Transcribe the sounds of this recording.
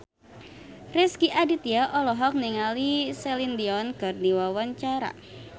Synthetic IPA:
rɛskiʔadit̪iaʔɔlɔɦɔk̚niŋalisɛlind̪iɔnɡ̥ardiwawant͡ʃaɾa̰

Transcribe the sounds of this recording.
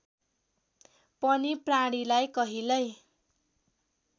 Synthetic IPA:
pʌnipraɽ̃ilajkʌɦilʌj

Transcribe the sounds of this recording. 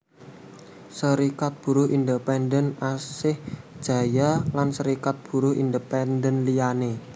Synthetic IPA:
səɾikat̪̚b̥ṳɾuʔind̪əpɛndənasɪhd̥ʒ̥ä̤jalansəɾikat̪̚b̥ṳɾuind̪əpɛndənlijane

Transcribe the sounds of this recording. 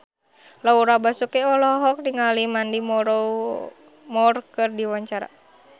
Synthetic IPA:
lauɾabasukɛɔlɔɦɔk̚diŋalimandimɔɾɔ | mɔrkɨrdiwaɲt͡ʃaɾa̰

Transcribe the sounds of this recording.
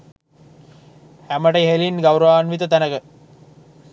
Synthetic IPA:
hæməʈəɦelinɡawɾaːnʋit̪ət̪ænəkə

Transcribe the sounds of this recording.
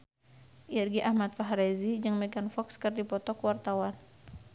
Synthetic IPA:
ʔirɡiʔahmat̪̚faɦɾezid͡ʒəŋmɛɡanfɔkskɨrdipɔt̪ɔkwart̪awan

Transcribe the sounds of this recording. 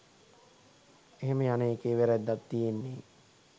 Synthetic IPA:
eɦeməjaneːkeːʋæɾæd̪ːat̪d̪ijenːeː

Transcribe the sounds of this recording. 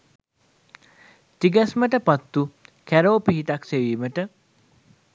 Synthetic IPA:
t̪iɡɛsməʈəpat̪ːukæɾoːpiɦiʈakseʋiːməʈə

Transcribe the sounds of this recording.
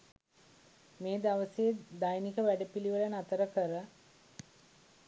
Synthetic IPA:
meːd̪aʋəseːd̪ajnikəʋæɖəpiliʋələnat̪əɾəkəɾə

